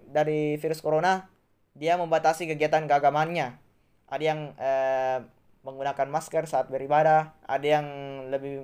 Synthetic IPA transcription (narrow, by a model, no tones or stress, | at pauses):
daɾifiɾʊskoɾona | diaməmbat̪asikəɡiat̪ankəaɡamaanɲa | ʔadajaŋə | məŋɡunakanmaskərsaːt̪̚bəɾibadah | a̰dajaŋləbɪ